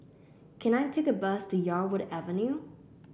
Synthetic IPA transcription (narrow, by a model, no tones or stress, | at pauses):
kʰɨ̃ñaɪtʰeɪkɨbʌstʰɨjɑɹwʊɾævɨ̃njʉ